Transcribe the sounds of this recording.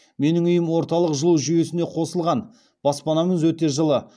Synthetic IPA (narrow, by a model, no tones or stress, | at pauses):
me̞nɪŋʏjɪmwo̞ɾt̪ɑlˠəqʒəlˠuwʒyje̞sɪneqʰo̞səlˠʁɑn | b̥ɑspɑnɑməzwɵt̪e̞ʒəlˠə